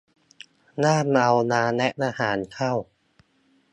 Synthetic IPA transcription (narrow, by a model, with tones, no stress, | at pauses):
naː˥˩mʔa˧wnaː˧nɛ˦˥ʔʔaː˧haː˩˦nkʰa˥˩w